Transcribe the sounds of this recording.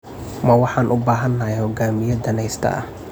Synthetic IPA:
mɐwɑħɑːnʔʊbaːɦɐnːɐɛhɔɡaːmɪjɐd̪ɐnɛjst̪ʰɐ̰ʔɐ̰

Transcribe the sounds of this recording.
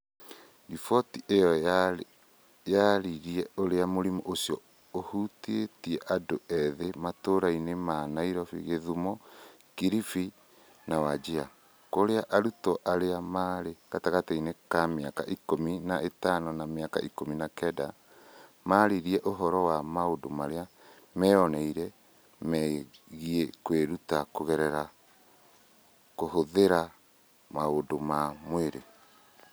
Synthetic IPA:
ifɔtiʔejɔ | jaɾiɾiɛoɾeamoɾimɔʔosiɔ | ohutetiɛʔadoɛðematoɾainemaːnaiɾɔfḭɣeðumɔ | kiɾifi | nawad͡ʒea̰ | koɾeaʔaɾutɔʔaɾeamaɾekataɣatainekameaka̰ʔikominaʔetanɔnameaka̰ʔikominakɛda | maɾiɾiɛʔoɦɔɾɔwamaodomaɾea | mɛɔnɛiɾɛ | mɛɣiɛkweɾutakoɣɛɾɛɾa | koɦoðeɾa | maodomamweɾe

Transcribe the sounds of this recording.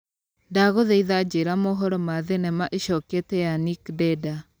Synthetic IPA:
daɣoðɛiðad͡ʒeɾamɔɦɔɾɔmaðenɛmaʔeʃɔketɛjanikdɛda

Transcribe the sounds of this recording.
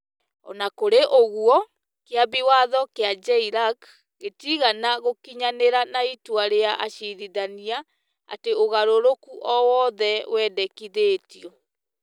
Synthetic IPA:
ɔ̰nakoɾeʔoɣwɔ | keaβiwaðɔkead͡ʒɛiɾak | ɣetiɣanaɣokiɲaneɾanaitwaɾeaʔaɕiðiðania | a̰teoɣaɾoɾokuʔɔwɔðɛwɛdɛkiðeːtiɔ

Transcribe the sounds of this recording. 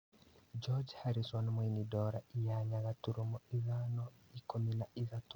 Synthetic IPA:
d͡ʒɔd͡ʒhaɾiswanmojnidɔɾaʔijaɲaɡatuɾumɔizanɔikominaʔizatu

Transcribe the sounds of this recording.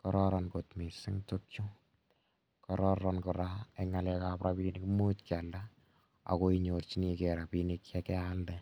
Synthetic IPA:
kɔɾɔɾɔnkotmisɪŋtokju | kɔɾɔɾɔnkɔɾaeŋalɛkapɾabinikmutkalda | a̰koiɲort͡ʃinikeɾapinikjakɛalde

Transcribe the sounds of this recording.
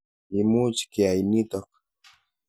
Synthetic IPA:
imut͡ʃkiajnit̪ok

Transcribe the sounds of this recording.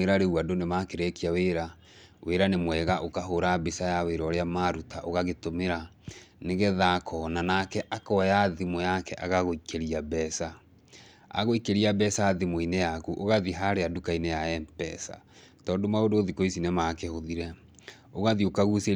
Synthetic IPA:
eɾaɾewadonemakeɾɛkiaweɾa | weɾanemwɛːɣaʔokaɦoɾabesajaweɾɔɾeamaɾutaʔoɣaɣetomeɾa | neɣɛðakʰɔnanakɛʔakɔjaðimojakɛʔaɣaɣoikʰeɾiabɛsa | a̰ɣoikeɾiabɛsaːðimoinejakuʔoɣaðiɦaɾeadukainejaɛmpɛsa̰ | tɔːndomaodoːðikoisinemakehoðiɾɛ | oɣaðiokaɣuse

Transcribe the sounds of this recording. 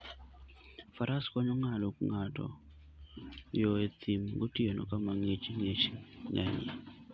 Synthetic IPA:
faɾʔaskɔɲɔŋalokŋatɔ̰ | jɔet̪ʰimɡotienɔ̰kamaŋet͡ʃŋet͡ʃɲa̰ɲḭ

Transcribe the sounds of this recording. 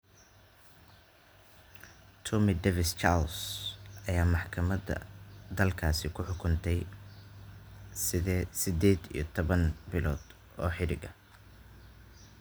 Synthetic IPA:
t̪ʰɔmɪd̪ɛːvɪst͡ʃa̰lsʔɐjaːmɑħkʰɐmɐdɐ̰d̪ɐlkʰaːsɪkʰʊħʊkʰʊnt̪ʰɛj | sɪðɛːsɪd̪ɛːd̪ḭjɞt̪ʰɔβɐnbɪlɔːd̪ | ɔːħɪɾɪɡɐ

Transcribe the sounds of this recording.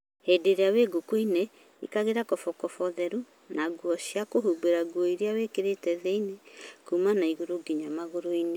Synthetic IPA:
hedeɾeaweɡokwine | ḭkaɣeɾakɔfɔkɔfɔðɛɾu | naɡwɔɕiakoɦubeɾaɡwɔiɾeawekeɾetɛðɛinekumanaiɣoɾoɡiɲamaɣoɾoine

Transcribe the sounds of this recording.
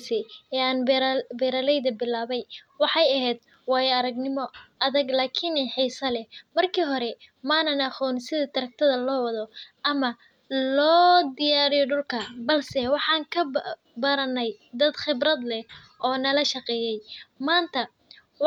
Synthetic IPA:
sɛɛːaːnbɾbɛːɾalɛjðɐbɪlaːβɛjwɑħɑjɐɦɛːd̪̚ | wɑːjɐɾɐɡnɪmɔɐðɐɡlaːkʰɪnɛħiːsɐlɛmɐrkʰiːɦɔɾɛmanɐnɐχɔːnsɪðɐt̪ʰɐɾɐk̚t̪ʰɐðɐlɔːwɐðɔʔɐmɐ | lɔːd̪ɪjaːɾɪjɔɖʊlkʰɐbɐlsɛwɑħɑːŋkʰɐ | bɐɾɐnɛjd̪ɐd̪χɪbɾɐd̪lɛ | ʔɔːnɐlɐʃɐqɛːjɛjmaːnt̪ʰɐ

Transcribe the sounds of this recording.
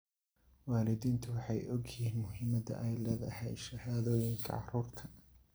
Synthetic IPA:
waːlɪðiːnt̪ʰɐwɑħɑjɔɡjhiːnmʊhɪmɐðɐ̰ʔɛjlɛːðɐ̰hɛjʃɐhaːðɔːjɪŋkʰɐ̰ʕɑruːrt̪ʰɐ̥

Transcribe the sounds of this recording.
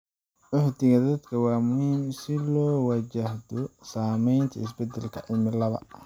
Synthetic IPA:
ʕʊħd̪ɪɣɐd̪ɐd̪kʰɐwɑːmʊhiːmsɪlɔːwɐt͡ʃɐhd̪ɔsaːmɛjnt̪ʰɐɪs̬bɛd̪ɛlkʰɐʕɪmɪlɐβɐ̰

